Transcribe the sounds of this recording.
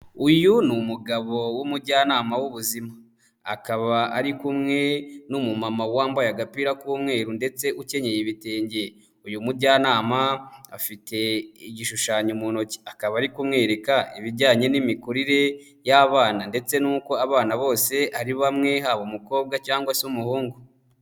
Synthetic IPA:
ujunumuɡaβo̞wumuɾɟaːnaːmawuβuzima | a̰kaβaaɾikumŋe̞numumamawaːmbajaɡapiːɾakuːmŋe̞ːɾunde̞t͡se̞ʔuce̞ɲe̞jeβite̞ːɲɟe̞ | ujumuɾɟaːnaːmaa̰fite̞iɟiʃuʃaːɲumuno̞ci̥akaβaːɾikumŋe̞ːɾe̞kaiβiɾɟaːɲe̞nimikuɾiɾe̞ | jaβaːnande̞t͡se̞nuːko̞aβaːnaβo̞ːse̞ʔaɾiβamŋe̞haβumuko̞ːb̚ɡacaːŋɡwasumuhuːŋɡu

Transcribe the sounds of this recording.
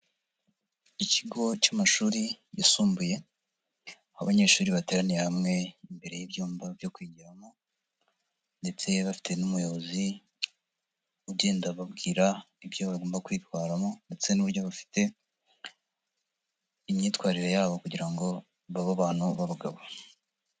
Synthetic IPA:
iciɡo̞t͡ʃamaʃuːɾijḭsuːmbuje̞ | ahaβaɲe̞ɾʃuːɾiβateːɾaniɾehamŋe̞imbe̞ɾe̞jibjuːmbavjo̞kwiːɟiɾamo̞ | nde̞t͡se̞βafi̥te̞numujo̞βo̞zi | uɟeːndaβabɡiːɾa | ibjoβaɡo̞ːmbakwiːtwaːɾamo̞nde̞t͡se̞nuβuɾɟo̞βafi̥te̞ | imɲiːtwaːɾiɾe̞jaːβo̞kuɟiɾaŋɡo̞ | βaβaβaːn̥huβaβuɡaβo

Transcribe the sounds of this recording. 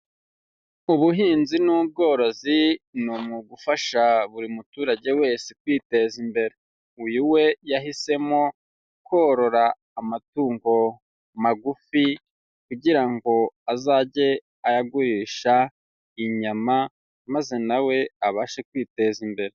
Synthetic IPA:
uβuɦiːnzinuːb̚ɡo̞ːɾo̞zinomuɡufaʃaβuɾimutuːɾaɟe̞we̞ːsek̚wiːte̞zimbe̞ɾe̞ | ujuwe̞jaɦise̞mo̞ | ko̞ɾo̞ɾaː | matuːŋɡo̞ | maɡufi | kuɟiɾaŋɡo̞azaːɟe̞ | ajaɡuɾiʃa | iɲama | maze̞nawe̞aβaʃekwiːte̞zimbe̞ɾe

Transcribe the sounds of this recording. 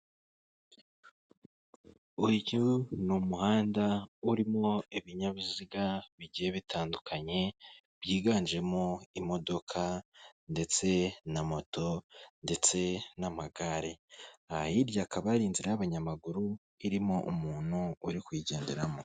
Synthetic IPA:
uɟunumuhaːndauɾimo̞iβiɲaβiziɡaβiɟihe̞βitʰaːndukʰaɲe̞ | βjiːɡaːnd͡ʒe̞mo̞imo̞do̞kʰande̞t͡se̞namo̞to̞nde̞t͡se̞namaɡaɾeajiɾjakʰaβaɾiːnziɾejaβaɲamaɡuɾu | iɾimo̞ʔumuːn̥huːɾikwiɟe̞ːndeɾamo

